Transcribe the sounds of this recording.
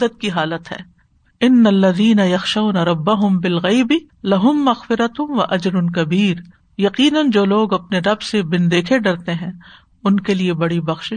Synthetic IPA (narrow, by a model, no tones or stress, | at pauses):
ət̪̚kiɦaːlət̪ɦɛ̰ː | ɪnːɐlːɐðiːnɐjɐxʃɐʊnɐɾɐbːɐɦʊmbɪlɣɐɪbɪ | lɐɦʊmːɐɣfɪɾɐt̪ʋɐʔɐd͡ʒɾʊnkɐbiːɾ | jɐqiːnənd͡ʒoːloːɡɐpneɾɐbsebɪnd̪eːkʰeɖɐɾt̪eɦɛ̃ː | ʊnkeliebɐɽibɐxʃɪ